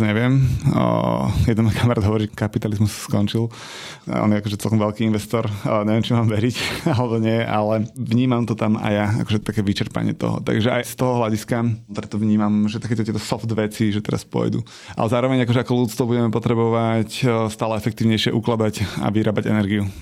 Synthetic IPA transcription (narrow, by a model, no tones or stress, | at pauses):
ɲɛʋɪɛm̰ | jɛd̪nɛnɔkʰamaɾaːd̪ɦɔʋɔɾiːkapit̪alizmusskɔnt͡ʃil̰ˠ | ɔ̰njɛakɔʒɛt͡sɛlˠkɔmʋɛlkiinʋɛst̪ɔɾɲɛʋɪɛmt͡ʃimaːmʋɛɾicalɛbɔɲɪɛʔalɛʋɲiːmamt̪ɔt̪ama̰jaa̰kɔʒɛt̪akɛʋit͡ʃɛɾpa̰ɲɪɛ̰t̪ɔ̰ɦɔ̰t̪a̰ɡʒɛʔajst̪ɔɦɔɦlaɟiskat̪ɾɛt̪ɔʋɲiːmamʒɛt̪akɛːt̪ɔt̪jɛt̪ɔsɔfd̪ʋɛt͡siʒɛt̪ɛɾa̰spʊɔ̰jd̪ṵ | ʔa̰lɛzaːɾɔʋɛɲakɔʒɛakɔluːt͡st̪ʋɔbuɟɛmɛpɔt̪ɾɛbɔʋacst̪aːlɛɛfɛk̚t̪iːʊɲɛjʃɪɛʔuklad̪aca̰ʋiɾaːbaɟɛ̰nɛɾɡiu